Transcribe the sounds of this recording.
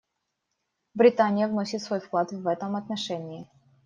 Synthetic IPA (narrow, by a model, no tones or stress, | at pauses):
bɾʲɪt̪anʲɪjəvnosʲɪt̪svo̞jfklˠat̪vɛt̪əmɐt̪nɐʂɛnʲɪː